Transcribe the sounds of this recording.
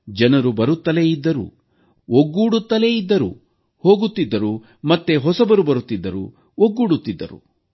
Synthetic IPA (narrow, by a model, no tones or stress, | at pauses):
d͡ʒɐnɐɾubɐɾut̪ːɐlejid̪ːɐɾṵ | oɡːuːɽut̪ːɐle̞jid̪ːɐɾṵ | ho̞ːɡut̪ːid̪ːɐɾu | mɐt̪ːeɦɔsɐbɐɾubɐɾut̪ːid̪ːɐɾṵ | oɡːuːɽut̪ːid̪ːɐ̰ɾṵ